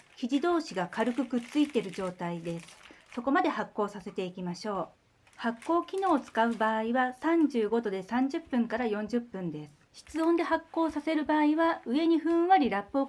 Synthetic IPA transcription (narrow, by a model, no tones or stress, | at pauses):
çʲiʑid̪o̞ːɕiɡakaɾɯ̟kɯ̟kɯ̟t͡st͡sɨit̪e̞ɾɯ̟ʑo̞ːt̪aid̪e̞sɨ̥so̞ko̞mad̪e̞hakːo̞ːsase̞t̪e̞ikʲimaɕo̞ː | hakːo̞ːkʲino̞ːt͡sɨ̥kaɯ̟baːiβasãɲd͡ʑɨːɡo̞d̪o̞d̪e̞sãɲ̟d͡ʑɨpːɯ̟̃ŋkaɾajõ̞ɲ̟d͡ʑɨpːɯ̟̃nd̪e̞sɨ̥ɕi̥t͡sɨõ̞nd̪e̞hakːo̞ːsase̞ɾɯ̟baːiβaɯ̟e̞ɲ̟iɸɯ̟̃ɰ̃βaɾʲiɾapːoː